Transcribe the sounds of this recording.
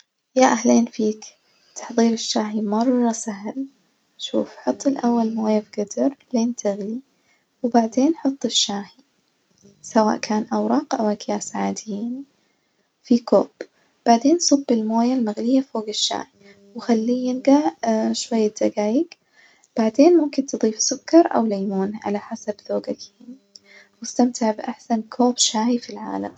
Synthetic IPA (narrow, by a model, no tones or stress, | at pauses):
jaʔaɦleːnfiːk | t̪ɑ̥ħðˤiːɾɪʃːaːħimɑrˤːɑsaɦl | ʃṵːfħʊt̪ˤːɪlʔawːalmoːjabɡad̪ɑɾˤleːnt̪ʰɪɣli | wbaʕd̪eːnħʊt̪ˤːɪʃːaːħi | sawa̰ːʔkaːnʔawɾˤɑːqʔawʔakjaːsaʕaːd̪ɪjiːn | fikoːb̥ | b̥aʕd̪eːnsˤʊbːɪlmoːjalmaɣlɪjːafoːɡɪʃːa̰ːhi | wɪxalːiːjɪnɡaʕʃwajːad̪aɡaːjɪɡ | b̥aʕd̪eːnmʊmkɪnt̪ɨd̪ˤiːfsʊkːɑɾˤʔa̰wlajmuːnʕa̰laħasabðoːɡakaːni | wɪst̪amt̪ɪʕbɪʔaħsankʰoːbʃaːhifilʕa̰ːla̰m